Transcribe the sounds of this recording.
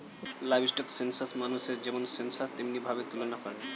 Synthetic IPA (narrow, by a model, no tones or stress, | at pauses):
lajbsʈɔksensaɾsmanuʃeɾd͡ʑɛmonsensaɾt̪emnibʱabet̪ulonapaɾe